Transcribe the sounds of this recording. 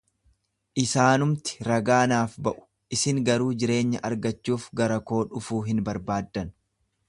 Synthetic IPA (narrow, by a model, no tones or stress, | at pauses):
ʔɪsaːnʊmt̪ɪ̥ɾɐɡaːnaːfbɐʔʊ̥ | ɪsɪŋɡɐɾuːd͡ʒɪɾe̞ːɲːɐʔɐɾɡɐt͡ʃːuːfɡɐɾɐko̞ːᶑʊfuːɦɪnbɐɾbaːd̪ːɐn